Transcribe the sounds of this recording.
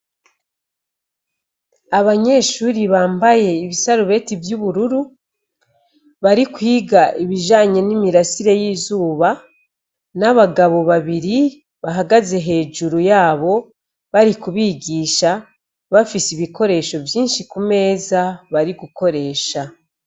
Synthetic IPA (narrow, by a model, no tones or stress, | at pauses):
aβaɲe̞ʃuːɾiβaːmbaje̞iβisaɾuβe̞tivjuβuɾuɾu | βaɾikwiːɡaʔiβiʒaːɲe̞nimiɾasiɾe̞jiːzuːβa | naβaɡaβo̞βaβiɾi | βaɦaɡaze̞ɦe̞ːʒuɾujaːβo̞ | βaɾikuβiːɡiːʃa | βafisiβiko̞ɾe̞ːʃo̞vjiːnʃikume̞ːzaβaɾiɡuko̞ɾe̞ːʃa